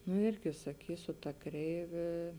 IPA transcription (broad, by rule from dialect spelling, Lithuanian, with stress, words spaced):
nʊ ˈɪrʲɡʲɪ sɐˈkʲiːsʲʊ tɐ ˈkrʲɛɪʋʲeː